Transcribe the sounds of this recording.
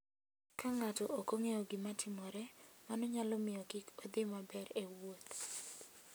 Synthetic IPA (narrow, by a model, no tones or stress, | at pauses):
kaŋatɔʔokoŋeoɡɪmatʰɪmɔɾɛmanɔɲalɔmɪjɔkɪkod̪ɪmabɛɾewot̪